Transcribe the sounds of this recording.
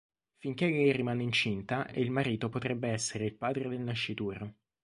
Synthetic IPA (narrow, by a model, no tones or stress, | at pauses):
fiŋkeʎerimaːneint͡ʃint̪aʔḛilmaɾiːt̪opot̪ɾɛbːeɛsːeɾeilpaːd̪ɾed̪elnaʃːit̪uːɾo